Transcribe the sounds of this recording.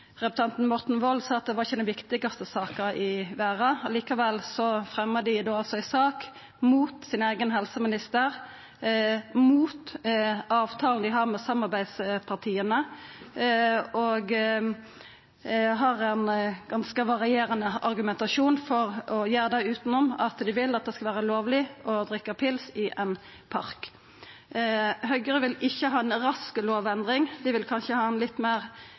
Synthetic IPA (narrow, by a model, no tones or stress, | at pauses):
ʁɛpʉ̥t̪ʰɑnt̪n̩mɔʁt̪n̩ʋɔlsɑːɑt̪̚d̪ɛʋɑɾɪçːəd̪ɛnʋɪkt̪ɪɡɑst̪əsɑːkəɾɪʋæːɾɑliːkɑʋɛlːsɔfʁɛmːəd̪ɪd̪oːɑlsɔɪsɑːk | muːt̪sɪnæɪɡənɦɛlsəmɪnɪst̪əʁ | muːt̪ | ɑːʋt̪ʰɑːln̩d̪ɪɦɑʁmɛsɑmːɑʁbæɪd̪spʰɑʁt̪ʰiːənə | ɔɡ | ɦɑʁɛnɡɑnskəʋɑʁɪeːɾənəɑʁɡʉmɛnt̪ɑʃuːnfɔʁɔjeːɾəd̪æɪʉːt̪n̩ɔmːɑt̪d̪ɪʋɪlɑt̪̚d̪ɛːskɑʋæːʁəloːʋlɪɔd̪ʁɪkːəpʰɪlsɪʔɛn | pʰɑʁk | hœʏɡəʁəʋɪlɪçːəɦɑːɛnɾɑskəloːʋɛnd̪ʁɪŋd̪ɪʋɪlkʰɑnʃəhɑːɛnlɪt̪ːmæːʁ